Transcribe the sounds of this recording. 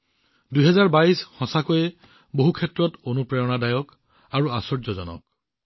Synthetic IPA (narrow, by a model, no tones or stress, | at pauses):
dujɦɛzaɹbaisxɔ̃sakojɛ | boɦukʰɛtɹɔtonupɹɛɹɔnadajɔk | aɹuasɔɹzɔzɔ̰nɔ̰k̚